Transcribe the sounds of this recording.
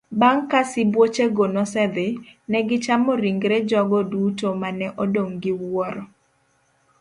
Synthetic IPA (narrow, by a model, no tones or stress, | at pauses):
baŋkasɪbwot͡ʃeɡonɔsɛd̪ɪnɛɡɪt͡ʃamɔɾiŋɡɾed͡ʒɔɡɔdutomanɛʔɔdoŋɡɪwɔɾɔ